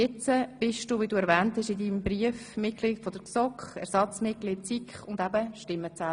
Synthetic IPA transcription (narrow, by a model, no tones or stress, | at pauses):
ɪt͡səb̥ɪʃd̥uːʋiduːɛɾvɛːnthɛʃidiːmbriəfmɪt̚kliːtfɔd̥̪əksɔkχɛ̰ɾsɑt͡smɪtkliːt̚sikχʊnd̪æbəʃʃtɪmːət͡sæː